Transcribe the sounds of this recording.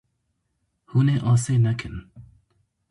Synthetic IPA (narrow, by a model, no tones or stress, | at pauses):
huneʔɑːsenakʰən